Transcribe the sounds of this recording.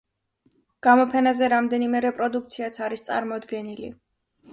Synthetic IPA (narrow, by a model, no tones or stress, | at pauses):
ɡ̥amɔpʰɛnazɛɾamd̪ɛnimɛɾɛpʼɾɔd̪uk̚ʰt̪sʰiat̪sʰaɾist̪sʼa̰ɾmɔd̪ɡɛnilḭ